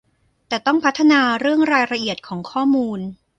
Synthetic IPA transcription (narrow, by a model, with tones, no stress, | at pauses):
t̪ɛː˨˩t̪ɔ˥˩ŋpʰa˦˥t̪ʰːa˧naː˧ɾɯ˥˩əŋɾaː˧jɾa˧ʔi˨˩ət̪̚kʰɔː˩˦ŋkʰɔː˥˩muː˧n